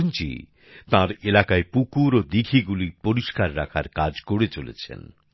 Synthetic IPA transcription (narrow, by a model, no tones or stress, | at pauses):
nt͡ɕḭ | t̪ãɾelakaepukuɾod̪iɡʱiɡulipoɾiʃkaɾːakʰaɾkad͡ʑkoɽet͡ɕolḛt͡ɕʰḛn